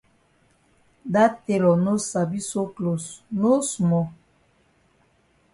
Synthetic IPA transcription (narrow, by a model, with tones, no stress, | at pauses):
da˦te˦lɔ˨no˦sa˨bi˦so˦klo˨sno˦su˨mɔ˨